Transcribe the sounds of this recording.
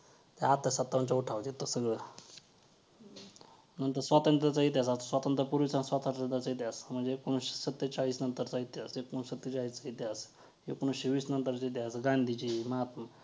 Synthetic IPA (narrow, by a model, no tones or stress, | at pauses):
t̪eat̪ːəsat̪ːaɲt͡ɕauʈʰaʋd̪it̪ːosəɡɭə | nənt̪əɾsʋat̪ənt̪ɾət͡sait̪̬jas̬ast̪osʋat̪ənt̪ɾəpuɾʋit͡sansʋat̪ət̪ənt̪ɾat͡sait̪jasm̤əɳd͡zeekːoɳ̃uɕsət̪ːet͡saɭiːsnənt̪əɾt͡sait̪ːjasekːoɽũsət̪ːet͡ɕaɭiːst͡sait̪jas | ekoɽ̃uɕeʋiːsnənt̪əɾt͡sait̪jasɡãnd̪ʱit͡ɕiːməɦat̪mə